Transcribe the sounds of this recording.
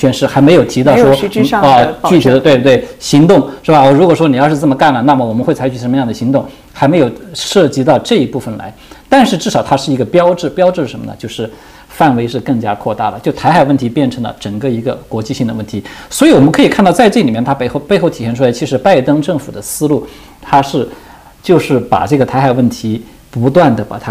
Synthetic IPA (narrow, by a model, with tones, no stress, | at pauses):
ɕɥɛ˥nʂɻ̩˥˩xa˧˥ɪme˧˥ɪjo˨˩ʊt̪ʰi˧˥t̪ɑ˥˩ʊʂwɔ˥ə˧t͡ɕy˩˥˩i˨˩d̪ə˧t̪we˥˧˥t̪we˥˩ɪɕi˧˥ŋt̪ʊ˥˩ŋʂɻ̩˥˩ba˨˩˧ɻu˧˥kwɔ˨˩ʂwɔ˥ni˨˩jɑ˥˧ʊʂɻ̩˥˩t͡sə˥˩mə˩ka˥˩nlə˩na˥˩mə˩wɔ˨˩mə˦nxwe˥˩ɪt͡sʰa˧˥ɪy˩ʂə˧˥mə˧jɑ˥˩ŋd̪ə˩ɕi˧˥ŋt̪ʊ˥˩ŋ | xa˧˥me˧˥ɪjo˨˩ʊʂɤ˥˩t͡ɕi˧˥t̪ɑ˥˧ʊʈ͡ʂɤ˥˩i˧˥pu˥˩fə˩nla̰˧˥ɪt̪a˥˧nʂɻ̩˥˧ʈ͡ʂɻ̩˥˩ʂɑ˨˩ʊt̪ʰa˥ʂɻ̩˥˩i˧˥ɡə˧pjɑ˥ʊʈ͡ʂɻ̩˥˩pjɑ˥ʈ͡ʂɻ̩˥˧ʂʂə˧˥nmə̰˧nə̰˧t͡ɕjo˥˧ʊʂɻ̩˥˩ | fa˥˩nwe˧˥ɪʂɻ̩˥˧kɤ˥˩ŋt͡ɕja˥kʰwɔ˥˧t̪a˥˩lə˩t͡ɕjʊt̪ʰa˧˥ɪxa˨˩ɪwə˥˩nt̪ʰi˧˥pjɛ˥˩nʈ͡ʂʰɤ˧˥ŋlə̰˧ʈ͡ʂɤ˨˩ŋkə˥˧i˧˥ɡə̰˧kwɔ˧˥t͡ɕi˥˧ɕi˥˩ŋd̪ə˩wə˥˩nt̪ʰi˧˥swɔ˧˥i˧˥wɔ˨˩mə˦nkʰɤ˧˥i˨˩kʰnt̪ɑ˥˧ʊt͡sa˥˧ɪʈ͡ʂɤ˥˩ɡə˩i˨˩mjɛ˥˩nt̪ʰa˥˧xpe˥˧ɪxo˥˩ʊt̪ʰi˨˩ɕjɛ˥˧nʈ͡ʂʰu˥la˧˥ɪt͡ɕʰi˧˥ʂɻ̩˧˥pa˥˧ɪt̪ɤ˥ŋʈ͡ʂɤ˥˩ŋfu˨˩d̪ə˦sɹ̩˥lu˥˩ | t̪ʰa˥ʂɻ̩˥˧ | t͡ɕjo˥˧ʊʂɻ̩˥˩pa̰˨˩ʈ͡ʂɤ˥˩ɡə˩t̪ʰa˧˥a˨˩ɪwə˥˩nt̪ʰi˧˥ | pu˧˥t̪wa˥˩nd̪ə˩pa̰˨˩t̪ʰa˥